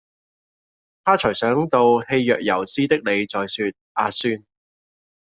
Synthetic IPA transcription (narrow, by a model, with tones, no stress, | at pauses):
t̪ʰaː˥t͡ʃʰɵ˨˩jsœː˨˥ŋt̪o˧whe˧jːœː˨k̚jɐ˨˩wt͡siː˥t̪ɪ˥k̚ne˨˧jt͡sɔː˨jsyː˧t̪̚ʔaː˧syː˥n